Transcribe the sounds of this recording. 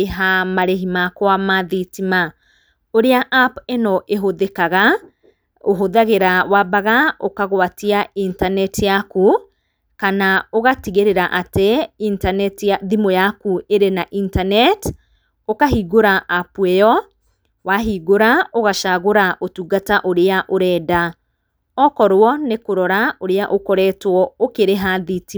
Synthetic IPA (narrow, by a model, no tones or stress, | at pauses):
eɦamaɾeɦimakɔamaðitima | oɾeaʔapenɔʔeɦoðekaɣa | oɦoðaɣeɾawabaɣaokaɣwatiaintanɛtjaku | kanaoɣatiɣeɾeɾaʔateintanɛtaðimojakueɾenaʔintanɛt | okaɦiɡoɾaʔapwɛjɔ | waɦiɡoɾaoɣaʃaɣoɾaʔotuɡataʔoɾeaʔoɾɛda | ɔkɔɾwɔnekoɾɔɾaoɾeaʔokɔɾɛtwɔokeɾeɦaðiti